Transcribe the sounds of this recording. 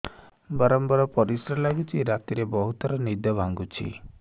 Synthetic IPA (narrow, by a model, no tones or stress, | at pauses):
bɔɾɔmbɔɾɔpɔɾisɾɔlaɡut͡ʃʰiɾat̪iɾebɔɦut̪ɔɾɔnid̪ɔbʱaŋɡut͡ʃʰḭ